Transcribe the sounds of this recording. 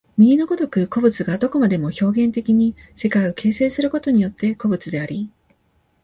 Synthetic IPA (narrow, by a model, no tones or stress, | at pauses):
mʲiɾʲino̞ɡo̞d̪o̞kɯ̟ko̞bɯ̟t͡sɨɡad̪o̞ko̞mad̪e̞mo̞ço̞ːɡẽ̞nt̪e̞kʲiɲ̟ise̞kaio̞kʰe̞ːse̞ːsɨɾɯ̟ko̞t̪o̞ɲ̟ijo̞t̪ːe̞ko̞bɯ̟t͡sɨd̪e̞aɾʲi